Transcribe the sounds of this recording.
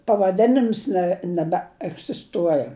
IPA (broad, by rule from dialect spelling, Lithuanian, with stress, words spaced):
pɐʋɐˈdʲæːnʲɪms nʲɛ nʲɛbʲɛɛɡzʲɪsˈtuɔjɛ